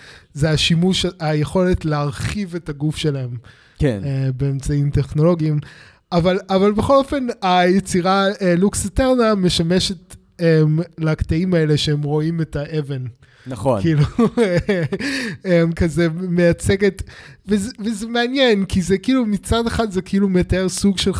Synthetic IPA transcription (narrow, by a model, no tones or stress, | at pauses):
zeaʃimuʃajeχo̞le̞tleaʁχive̞taɡufʃe̞lae̞m | kenebeːmt͡saimte̞χno̞lo̞ɡiim | avalavalbeχo̞lo̞fe̞najet͡siʁaeluksiteʁname̞ʃame̞ʃe̞t | emlaktaimae̞le̞ʃeemʁo̞imetaʔeven | nɐkiilu | emkazemejat͡seɡe̞tvezvezemeanjenkizekiilumit͡sadeχadzekeilumeataeʁsuɡʃel